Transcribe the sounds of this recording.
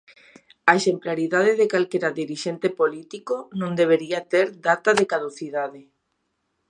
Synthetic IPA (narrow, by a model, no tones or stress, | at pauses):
aeʃemplaɾiðað̞eðekalkeɾaðiɾiʃent̪epolit̪ikonõŋd̪eβ̞eɾiat̪eɾd̪at̪aðekaðoθiðaðe